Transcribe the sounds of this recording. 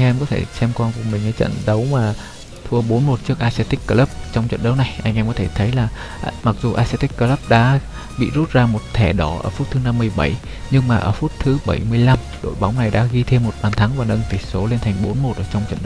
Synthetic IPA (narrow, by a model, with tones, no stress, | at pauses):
a˧jŋʔɛ˧mkɔ˨˦t̪ʰe˧˩sɛ˧mkwaː˧nku˨˩əmï˨˩ŋ̟ʔa˨˦jt͡ɕə̰˧˨nɗə˨˦wmaː˨˩ | t̪ʰu˧əɓo˨˦nmo˨˩t̚t͡ɕɨ˦˥ək̚ʔaː˧sɛ˧t̪i˦˥kːəː˧lə˦˥p̚t͡ɕɔ˧wŋ͡mt͡ɕə̰˧˨nɗə˨˦wna˨˩jʔa˧jŋ̟ʔɛ˧mkɔ˨˦t̪ʰe˧˩t̪ʰə˨˦jlaː˨˩ | ma˨˩k̚zu˨˩ʔaː˧sɛ˧t̪i˦˥k̚kəː˧lə˦˥p̚ɗa̰ː˧˥ | ɓḭ˧˨zu˦˥t̚zaː˧mo˨˩t̚t̪ʰɛ˧˩ɗɔ˨˩˦ʔəː˧˩fu˦˥t̚t̪ʰːɨ˨˦na˧mːɨ˧əjɓa˧˩j | ɲɨ˧ŋmaː˨˩ʔəː˧˩fu˦˥t̚t̪ʰɨ˨˦ɓə˧˩jmɨ˧əjla˧m | ɗo̰˧˨jɓa˨˦wŋ͡mna˨˩jɗa̰ː˧˥ɣi˧t̪ʰe˧mːo˨˩t̚ɓaː˨˩nt̪ʰa˨˦ŋvaː˨˩nə˧nt̪i˨˩so˨˦le˧nt̪ʰa˨˩ŋ̟ɓo˨˦nmo˨˩t̚ʔəː˧˩t͡ɕɔ˧wŋ͡mt͡ɕə̰˧˨nɗə˨˦